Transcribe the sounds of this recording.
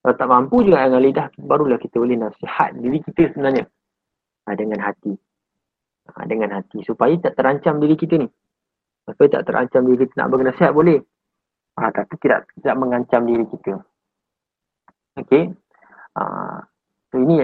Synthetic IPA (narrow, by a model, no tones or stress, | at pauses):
salat̪aʔmampud͡ʒuɡaʔjaŋalidahbaɾulahkit̪əbolɪhnafsiha̰t̪̚diɾikit̪əsəbənarɲa | adəŋanɦat̪i | a̰dəŋanɦat̪isupajat̪aʔt̪əɾaɲt͡ʃamdiɾikit̪ənih | supajat̪a̰ʔt̪əɾʔa̰ɲt͡ʃamdiɾikit̪əna̰ʔbolinafsiɦat̪̚bolɛh | a̰t̪apit̪ida̰ʔt̪idaʔ̚məŋaɲt͡ʃamdiɾikit̪ə | oke | ə̰ | soini